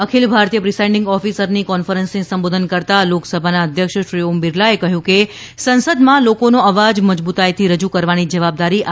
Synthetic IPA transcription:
əkʰilbʱaɾt̪ijəpɾisaɪ̃ɳɖɪ̃ŋɡɔfisəɾnikɔnfəɾənsnisəmbod̪ʱənkəɾt̪aloksəbʱanaəd̪ʱjəkʃʃɾiombiɾlaekəɦjũke | sənsəd̪mãlokonoəʋad͡ʒməd͡ʒbut̪ajt̪ʰiɾəd͡ʒukəɾʋanid͡ʒəʋab̚d̪aɾi

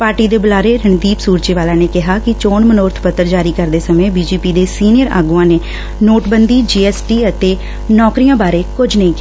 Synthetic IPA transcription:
paːɾʈiːd̪eːbəlaːɾeːɾɪɳd̪iːpsuːɾt͡ʃeːʋaːlãːneːkɪɦaːkɪt͡ʃoːɳmənoːɾt̪ʰpət̪ːəɾd͡ʒaːɾiːkəɾd̪eːsəmẽːbiːd͡ʒiːpiːd̪eːsiːnɪjəɾa̰ːɡuːãːneː | noːʈbənd̪iːd͡ʒiːɛːsʈiːət̪eː | nɔːkɾijãːbaːɾeːkʊd͡ʒʱnəĩːkɪ

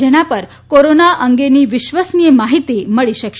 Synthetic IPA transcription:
eñapəɾ | koɾonaʔəŋɡeniːʋiɕʋəsnijəmaɦit̪iməɭiɕək

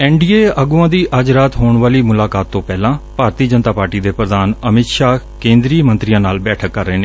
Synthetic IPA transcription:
ɛːɳɖiːeːəɡuãːd̪iːʔəd͡ʒɾaːt̪ɦoːɳʋaːliːmʊlaːkaːt̪ːõːpɛːlãːpaːɾt̪iːd͡ʒənt̪aːpaːɾʈiːd̪eːpɾəd̪aːnəmɪt̪ʃaːkẽːnd̪ɾiːmənt̪ɾɪjãːnaːlbɛːʈʰəkːəɾːeːneː

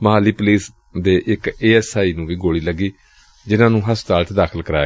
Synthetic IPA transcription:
məɦaːlːiːpʊliːs | d̪eːʔɪkeːɛːsaːiːnũːʋiːɡoːɽiːləɡːiː | d͡ʒɪnãːnũːɦəst̪aːlt̪ʰd̪aːkʰəlkəɾaː

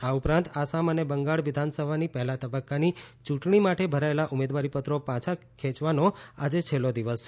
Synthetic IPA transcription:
aupɾãnt̪asamənebəŋɡaɭʋɪd̪ʱansəbʱanipəɦɛlat̪əbəkːanit͡ʃũʈɳimaʈebʱəɾaelaʔumed̪ʋaɾipət̪ɾopãt͡ʃʰa | kʰɛ̃t͡ʃʋanoad͡ʒet͡ʃʰelːod̪iʋəs

